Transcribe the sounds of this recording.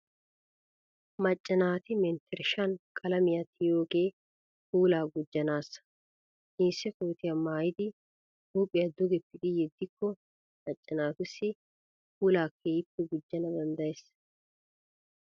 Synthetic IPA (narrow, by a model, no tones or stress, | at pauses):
mɐt͡ʃʼːɐnaːt̪ɪmɛnt̪ʰɛɾʃɐnkʼɐlɐmɪjat̪ːɪjo̞ːɡe̞ː | huːlaːɡʊd͡ʒːɐnaːsɐ̥ | ʔiːsːɛkoːt̪ɪjɐmaːjɪd̪ɪ | huːpʼːɪjɐd̪ʊɡɛpːɪd̪ɪjɛd̪ːɪkʰːɔ | mɐt͡ʃʼːɐnaːt̪ʊsːɪ | huːlaːkʰːeːjɪpːɛɡʊd͡ʒːɐnɐd̪ɐnd̪ɐjɛs